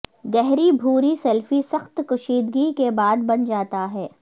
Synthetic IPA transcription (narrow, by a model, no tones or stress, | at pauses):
ɡɛɦɾibʱuːɾisɛlfisɐxt̪kʊʃiːd̪ɡikebaːd̪bɐnd͡ʒaːt̪aɦɛː